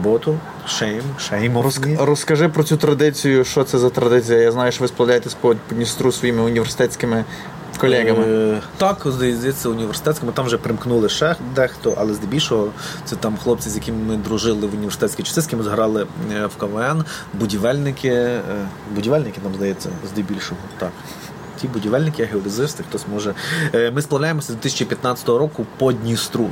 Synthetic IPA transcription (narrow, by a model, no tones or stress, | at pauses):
ɔbɔt̪ʊ | ʃɛjmʃɛjmɔrɔrɔskɐʒɪpɾɔt͡sʲut̪ɾɐd̪ɪt͡sʲijʊʃt͡ʃɔt̪sɛzɐt̪ɾɐd̪ɪt͡sʲijɐjaznɑjʊʃt͡ʃɔʋɪsplˠɐʋlʲajet̪ɛsʲpɔpɔnʲist̪ɾusʋɔjimɪʊnʲiʋersɪ̥t̪ɛt͡sʲkɪmɪ | kɔlʲɛɣɐmɪt̪ɑkzd̪ɐjɛzd̪jɛt͡sʲːɐʊnʲiʋʲersɪ̥t̪ɛsʲkɔmʊt̪ɑmʋʒɛpɾɪmknulˠɪʃɛxd̪ɛxt̪ɔʔɐ̰lˠɛzd̪ɪbʲilʲʃɔɦɔt̪sɛt̪ɑmxlˠɔp̚t͡sʲizʲjɐkʲimmɪd̪ɾʊʒɪlˠɪʋʊnʲiʋersɪt̪ɛt͡sʲkijt͡ʃɐsɪsʲkʲimɪzɦɾɑlˠɪwkɐʋɛnbʊdʲiʋɛlʲnɪkʰɪ | bʊdʲiʋɛlʲnɪkɪnɑmzd̪ɐjɛt͡sʲːɐ̰zd̪ɛbʲilʲʃɔɦɔt̪ɑk | tʲibʊdʲiʋɛlʲnɪkɪjɐɦeɔdɪzɪst̪ɪxt̪ɔsʲmɔʒɛmɪsplˠɐwlʲajemɔsʲɐzd̪ʋʲɪt̪ɪsʲt͡ʃipʲjɐt̪nɑt͡sʲɐ̥t̪ɔɦɔɾɔkʊpɔdʲnʲist̪ɾu